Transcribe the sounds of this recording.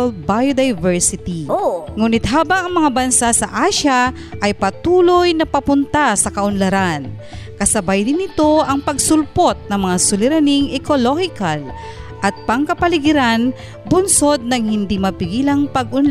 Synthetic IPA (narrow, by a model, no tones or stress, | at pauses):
lbajod̪ɐjvɛɹsɪt̪iŋuːnɪt̪ɦaːbɐŋɐŋmɐŋabɐnsasɐʔaːʃa | ʔɐjpɐt̪uːlojnɐpɐpʊnt̪asɐkɐʔʊnlɐɾan | kɐsɐbajd̪ɪnːɪt̪o̞ʔɐŋpɐɡsʊlpo̞t̪̚nɐŋmɐŋasʊlɪɾɐniŋʔɛkolohɪkal | ʔɐt̪̚pɐŋkɐpɐlɪɡɪɾan | bʊnso̞d̪̚nɐŋhɪnd̪imɐpɪɡiːlɐŋpɐɡ̚ʔʊnl